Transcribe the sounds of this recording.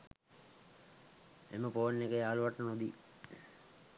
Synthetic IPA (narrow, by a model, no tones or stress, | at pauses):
ḛməpoːnːekəjaːluʋaʈːənud̪i